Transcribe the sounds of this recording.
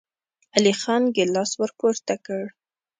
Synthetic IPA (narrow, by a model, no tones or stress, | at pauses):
alixɑnɡɪlɑswəɾpoɾt̪akəɽ